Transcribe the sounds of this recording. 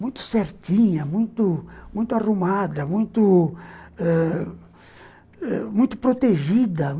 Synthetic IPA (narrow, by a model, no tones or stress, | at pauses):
mũj̃t̪ʊ̥seɾt̪ĩɲɐmũj̃t̪ʊmũj̃t̪ʊarumad̪ɐmũj̃t̪ʊ | ɛ | ɛ̰mũj̃t̪ʊ̥pɾot̪eʒid̪ɐ